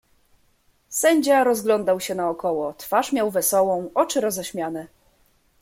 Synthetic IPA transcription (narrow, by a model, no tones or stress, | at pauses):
sɛɲd͡ʑaɾɔzɡlɔnd̪awɕɛnaɔkɔwɔt̪faʂmʲjawvɛsɔwɔ̃w̃ɔt͡ʂɘɾɔzɛɕmʲjanɛ